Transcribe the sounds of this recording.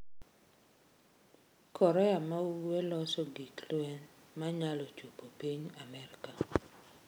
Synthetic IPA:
kʰɔɾɛamauwwelɔsɔɡiklɛnmaɲalɔt͡ʃupopiɲamɛɾika

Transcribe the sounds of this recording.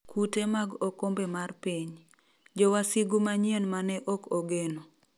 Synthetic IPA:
kutemaɡɔkombemarpiɲ | d͡ʒɔwasiɡumaɲjenmanɛʔɔkɔɡeno

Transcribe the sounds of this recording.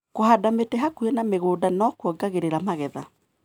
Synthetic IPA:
kohadametɛɦakuɛnameɣoːdanɔkwɔɡaɣeɾeɾamaɣɛða

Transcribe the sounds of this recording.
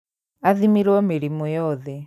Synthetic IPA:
aðimiɾwɔmeɾimɔjɔðɛ

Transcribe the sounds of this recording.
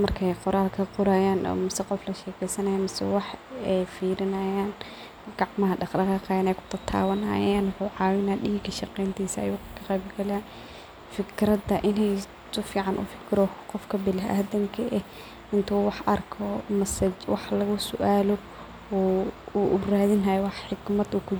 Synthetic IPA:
mɐrkʰɐɛjqʊɾaːlkʰɐqʊɾajaːnʔɔ̰mʊsɛqɔflɐʃɛːkʰɛjsɐnɐjamɐsɛ̰wɑħɛjfiːɾɪnɐjaːn | ɡ̥ɑʕmɐɦɐɖɑqdɑqɑːqɑjaːnɛjkʰʊ̥t̪ʰɐt̪ʰa̰ːwɐnɐ̰ːjaːnwħʊʕɑːwɪnaːd̪ɗiːkʰɐʃɑqɛjnt̪ʰiːsɐɐ̰juːkʰɐ̥kʰɐqɛːbɡɐlaː | fɪkʰɾɐd̪ɐʔɪnɛj | sʊfiːʕɑnʔʊ̰fɪ̥kʰɾɔqɔfkʰɐbɪlɪʔaːðɐŋkʰɐʔɛh | ɪnt̪ʰuːwɑħʔɐrkʰɔmɐsɐt͡ʃwɑħlɐɣʊsʊ̰ʔaːlɔ | ɔuʔʊraːðɪnɦɐjɔwɑħħɪɡmɐd̪uːkʰʊ

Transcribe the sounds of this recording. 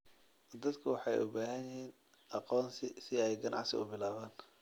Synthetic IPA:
d̪ɐd̪kʰʊwɑħɑjʔʊbaːɦɐnjɪhiːn | ʔɑqɔːnsɪsɪɛjɡɐnʔɑ̰ʕsɪ̰ʊbɪlaːβaːn

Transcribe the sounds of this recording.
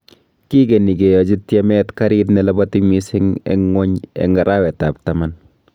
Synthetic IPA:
kikenikejɔd͡ʒitjɛmɛtkaɾitnɛlɛbɔtimisɪŋɛ̰ŋːɔɲɛ̰ŋɡɐɾʔawɛtap̚taman

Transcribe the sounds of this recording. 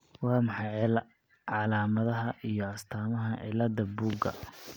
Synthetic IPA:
wɑːmɑħɑjʕlɐ | ʕɑlaːmɐðɐɦɐʔijɞɐst̪ʰaːmɐɦɐʕɪ̰lɐd̪ɐbuːɡɐ̰

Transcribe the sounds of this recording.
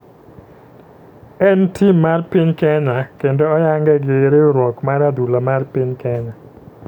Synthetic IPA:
ɛntimarpɪɲkɛɲakendɔɔjaŋɡɛɡeɾeoɾwɔkmaɾad̪ulamarpɪɲkɛɲa

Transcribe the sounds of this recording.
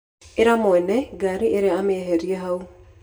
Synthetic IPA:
eɾamoɛnɛɡaɾiʔeɾeameɦeɾiɛɦau

